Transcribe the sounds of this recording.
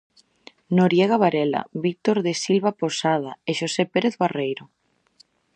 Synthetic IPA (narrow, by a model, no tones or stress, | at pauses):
noɾjeɣaβaɾela̰βik̚t̪oɾðesilβaposað̞aeʃosepeɾeθβarejɾo